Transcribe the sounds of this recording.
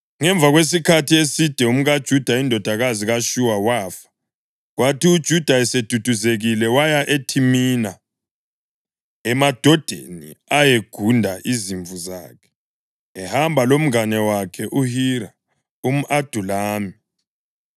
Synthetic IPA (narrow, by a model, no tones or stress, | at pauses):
ŋɛɱb̪vʱaɣwes̬ikʰatʰiesid̥ʱɛum̩ɣad̥ʒ̥ʱud̥ʱaindʱɔd̥ʱaɣaziɣaʃuwawaːfḁ | ɣwatiud̥ʒ̥ʱud̥ʱaɛsed̥ʱud̥ʱuzeɣilɛwajaʔetʰimina | ɛmad̥ʱɔd̥ʱḛnḭajeɡ̥ʱundʱaʔiziɱvuza̰ːkʰɛ̥ | ɛhambʱalom̩ŋanɛwakʰɛʔuhiɾa | um̩ʔad̥ʱulaːmi